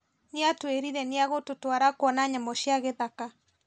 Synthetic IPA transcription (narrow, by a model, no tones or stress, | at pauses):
neatweɾiɾɛneaɣototwaɾakwɔnaɲamɔʃiaɣɛðaka